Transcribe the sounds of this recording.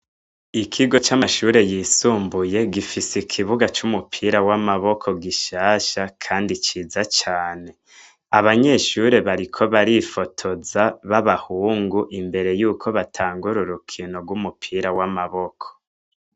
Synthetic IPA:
ikʰiɡo̞t͡ʃamaʃuːɾe̞jisuːmbuje̞ɡifisikʰiβuɡat͡ʃumupʰiɾawamaβo̞kʰo̞ɡiʃaːʃakʰaːndit͡ʃiːzat͡ʃaːne̞ | aβaɲe̞ʃuɾe̞βaɾikʰo̞βaɾifotʰo̞zaβaβahuːŋɡuʔimbe̞ɾe̞juːkʰo̞βatʰaːŋɡuɾuɾukʰino̞ɡwumupʰiɾawamaβo̞kʰo̥

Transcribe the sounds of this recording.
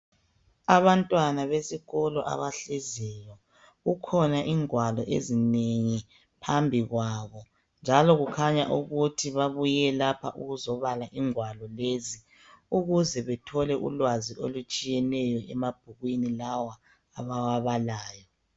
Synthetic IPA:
aβantʼwanaβesiɣɔlɔʔa̰βaɬɛzɛjɔ | ɣukʰɔnaʔiŋwalɔʔḛzineŋi | pʰambʱiɣwaβɔ | nd͡ʒʱalɔɣukʰaɲa̰ʔuɣutʰiβaβujɛlapʰaʔuɣuzɔβalaʔiŋwalɔlezi | uɣuzɛβɛtʰɔlɛʔṵlwaziʔolut͡ʃʼijɛnɛjɔʔɛmab̥̚ʱuɣwinilawa | aβawaβalaːjɔ

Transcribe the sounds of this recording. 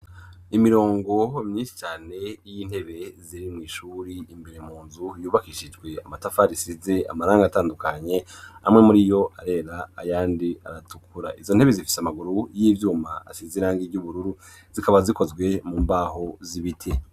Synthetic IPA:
imiɾo̞ːŋɡo̞mɲisi̥t͡ʃaːne̞jin̥he̞βe̞ziɾimŋiːʃuːɾiimbe̞ɾem̥uːnzujuːβakiʃid͡ʒɡwe̞amatafaːɾisize̞a̰maɾaːŋɡataːndukaɲe̞a̰mŋe̞muɾijo̞aɾe̞ːɾaːjaːndia̰ɾatukuɾa̰ʔizo̞nhe̞βezifi̥samaɡuɾujiːvjuːma̰ːsiziɾaːŋɡiɾɟuβuɾuɾu | z̥ikaβaziko̞zɡwe̞muːmbaːho̞ziβitʰe

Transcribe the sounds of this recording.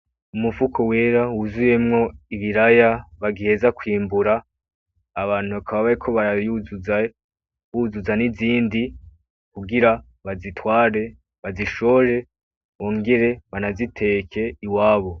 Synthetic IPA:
umuvukʰo̞we̞ːɾawuzuje̞mŋo̞iβiɾajaβaɡihezakwiːmbuɾaː | βaːn̥huβakʰaβaβaɾekʰo̞βaɾajuzu | βuzuzaniziːndi | kuɡiɾa | βazitwaːɾe̞ | βaziʃoɾe̞ | wo̞ːŋɡe̞ɾe̞βanazitʰe̞kʰe̞iwaːβo̞

